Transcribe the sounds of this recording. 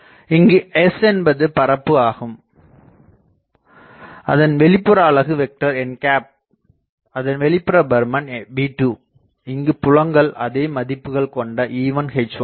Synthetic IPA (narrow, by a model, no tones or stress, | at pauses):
ɪŋɡɯɛsɛnbɐðɯpɐɾɐpːɯaːɣɯm | ɐ̰ðɐnʋɛɭɪpːɯɾaːɭɐɣɯʋɛk̚ʈɐɾɛnkaːp̚ | ɐðɐnʋɛɭɪpːɯɾɐbɐɾmɐnbiːʈːuː | ɪŋɡɯpʊɻɐŋɡɐɭʔɐ̰ðeːmɐðɪpːɯɣɐɭkɔɳɖɐʔiːʋɐnxɛɪt͡ʃːʋɐ